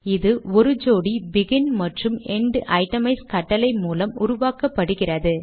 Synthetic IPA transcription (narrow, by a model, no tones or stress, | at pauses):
ɪðɯɔɾɯd͡ʒoːɽibɪɣɪnmɐʈrɯmɛɳɖʔɐɪʈːɐmɐɪskɐʈːɐlɐɪmuːlɐmʊɾʊʋaːkɐpːɐɽɯɣɪrɐðɯ